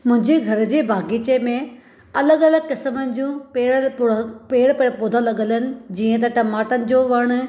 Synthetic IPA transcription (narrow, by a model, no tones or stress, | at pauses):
mʊ̃ɦɪ̃ɲd͡ʑeɡʱɐɾd͡ʑeːbʱaːɡit͡ɕemẽ | ɐləɡɐləɡkɪsmənɪ̆d͡ʑũpeː | peːɽpeːɽpoːd̪ʱãlɐɠələnɪ̆d͡ʑiːə̃t̪̬ɐʈɐmaːʈənɪ̆d͡ʑoːʋɐɽ̃ʊ̆